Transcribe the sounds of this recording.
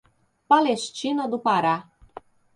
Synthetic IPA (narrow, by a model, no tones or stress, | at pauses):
paleʃt͡ʃinod̪upaɾa